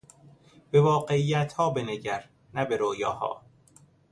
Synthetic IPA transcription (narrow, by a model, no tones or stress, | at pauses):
b̥evɒːɢeijːæt̪hɒːbeneɟæɾ | næbeɾoːjɒːhɒ̰ː